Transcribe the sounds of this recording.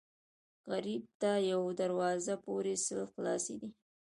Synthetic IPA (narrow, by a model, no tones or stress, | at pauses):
ɣaɾib̚t̪ajawd̪aɾwɑzapoɾesɪlxlɑsed̪i